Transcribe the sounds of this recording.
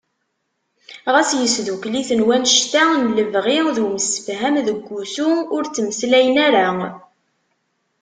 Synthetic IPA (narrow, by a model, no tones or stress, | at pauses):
ʁæsjəsðukliθənwænʃt̪ænləvʁiðuməsə̥fɦæmðəɡʷːusuʊɾt͡sːəmslæjənæɾa